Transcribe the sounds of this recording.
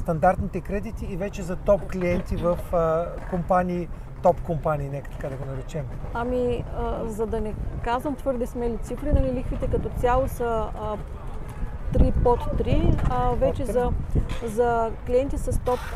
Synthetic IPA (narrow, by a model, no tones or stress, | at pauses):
st̪ɐnd̪aɾt̪nit̪ɛkɾɛd̪it̪iːvɛt͡ʃɛzɐt̪ɔpkliɛnt̪ivəf | kompaniː | t̪ɔpkompaniːnɛkə̥t̪ɐ̥kad̪ɐɡonɐɾɛt͡ʃɛmɐmiəzɐd̪ɐnɛkazvəmt̪vɤɾd̪ɛsmɛlit̪sifɾinɐlilixvit̪ɛkɐt̪ɔt̪sʲjalˠosə | t̪ɾipot̪ːɾivɛt͡ʃɛzɐzɐkliɛnt̪isɐst̪ɔp̚